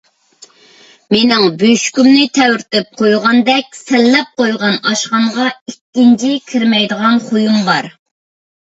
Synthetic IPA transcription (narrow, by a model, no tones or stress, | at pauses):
menɪŋbyʃkʲymnɪt̪ʰɛwɾt̪ɪp̚qʰojʁɑnd̪ɛk̚ʲsɛlːɛp̚qojʁɑnɑʃqɑɴʁɑikʲːint͡ʃʰikʲʰɪɾmɛjd̪əʁɑnχojumbɑɾ